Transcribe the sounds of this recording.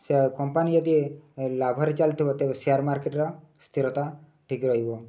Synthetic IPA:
sekɔmpanijɔd̪ilabʱɔɾit͡ʃalt̪ʰibɔt̪ebesiaɾmaɾkeʈɾɔ | st̪ʰiɾɔt̪a | ʈʰikɾɔɦibɔ

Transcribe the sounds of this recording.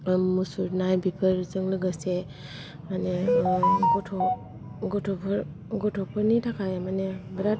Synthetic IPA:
musuɾnajbipʰəɾzɯŋlɯɡase | mane | ɡɔtʰɔ | ɡɔtʰɔpʰɔɾ | ɡɔtʰɔpʰəɾnitʰakʰajamanebɐɾat̚

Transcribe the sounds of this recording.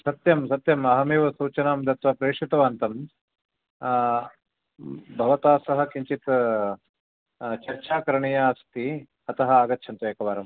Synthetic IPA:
sɐt̪jɐmsɐt̪jɐmɐɦɐmeːʋɐsuːt͡ʃɐnaːmd̪ʱɐt̪ʋɐpɾeːʂit̪ɐʋaːnt̪ɐm | bʱɐʋɐt̪aːsɐɦɐ̆kiɲt͡ʃit̪ | t͡ʃɐɾt͡ʃʰaːkɐɾɐɳɐjaːst̪i | ɐt̪ɐɦɐ̆aːɡɐt̪ːʃʰɐnt̪ɐjɐkɐʋaːɾɐm

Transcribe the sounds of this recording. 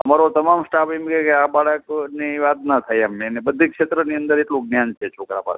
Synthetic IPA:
əmaɾot̪əmamsʈapemkekeabaɭəkniʋad̪nat̪ʰajamenebəd̪ʱikʃet̪ɾəniənd̪əɾeʈlũɡnjant͡ʃʰet͡ʃʰokɾa̰pa̰ɭ

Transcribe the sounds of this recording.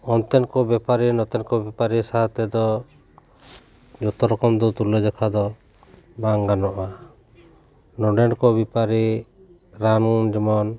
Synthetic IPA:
ɔnt̪ɛnkɔbɛpaɾinɔt̪ɛnkɔbɛpaɾisaat̪ɛd̪ɔ | d͡ʒɔt̪ɔɾɔkɔmd̪ɔt̪ulɔd͡ʒɔkʰad̪ɔ | baŋɡanɔʔa | nɔɖɛnkɔbipaɾi | ɾanɔd͡ʒimɔn

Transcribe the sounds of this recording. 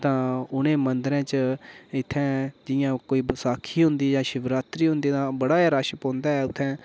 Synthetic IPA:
t̪ãːʊnẽːmənd̪əɾɛ̃ːt͡ʃəɪt̪ʰːɛ̃ːd͡ʒɪjãːkoːiːbəsaːkʰiːɦʊ̃nd̪iːd͡ʒãːʃɪbɾaːt̪ɾiːɦʊ̃nd̪iːd̪ãːbəɽaːaɾaːʃəpõːnd̪aːɛːʊt̪ʰːɛ̃ː

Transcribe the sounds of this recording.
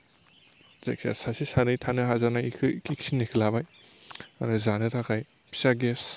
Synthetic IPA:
zak̚sa̰sasisanɯjtʰanɯɦazanajkʰɯkiksinekʰɯlabaj | anɯzanɯtʰakʰaj | pʰi̥saɡes

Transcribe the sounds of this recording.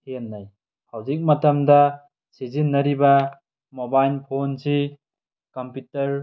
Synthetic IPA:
henːaj | hawzik̚mɐtɐmdɐ | sizinːɐɾibɐ | mobajlpʰonsi | kɔmpitɐɾ

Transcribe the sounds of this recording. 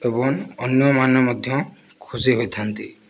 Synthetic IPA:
ebɔŋɔnjɔmanɔmɔd̪ʱjɔ̃kʰuziɦojtʰant̪ḭ

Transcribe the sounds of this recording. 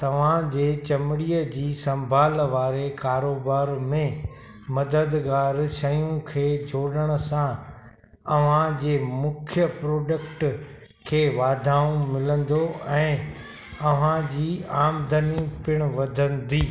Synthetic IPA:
t̪ɐʋ̤ãd͡ʑeːt͡ɕɐmɪɽiːəd͡ʑiːsɐ̃mbʱaːlʋaːɾekaːɾoːbaːɾmẽ | mɐd̪əd̪ɡaːɾʃɐjũkʰeːd͡ʑʱoːɽəɽ̃ə̆sã | ɐʋ̤ãd͡ʑeːmʊkʰjəpɾoːɖəkʈ | kʰeːʋaːd̪ʱaːũmɪlə̃nd̪oɛ̃ː | ɐʋ̤ãd͡ʑiːaːmd̪ʱənipɪɽ̃ʋɐd̪ʱə̃nd̪iː

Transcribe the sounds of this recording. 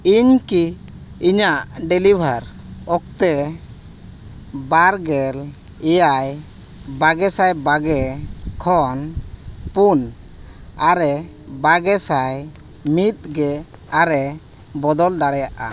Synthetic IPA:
iɲkiː | ɲaʔɖɛlibʱaɾ | ɔk̚t̪ɛ | baɾɡɛl | ɛjaj | baɡɛsajbaɡɛkʰɔnpun | aɾɛ | baɡɛsaj | mit̪̚ɡɛ | aɾɛ | bɔd̪ɔld̪aɽɛjaʔa̰

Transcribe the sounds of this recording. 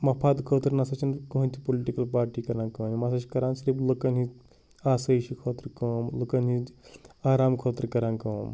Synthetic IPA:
mɐpʰaːd̪kʰəːt̪ɾnasɐt͡ʃʰinkɐɦũnt̪ʰipoliʈikɐlpaːɾʈiːkɐɾãːnkɐnimɐsɐʃi̥kɐɾãːnsɐɾiːbləkɐnɦi | aːsɐjʃikʰoːt̪ɾkɐːmləkɐnɦiaːɾaːmkʰoːt̪ɾkɐɾãnkɐːm

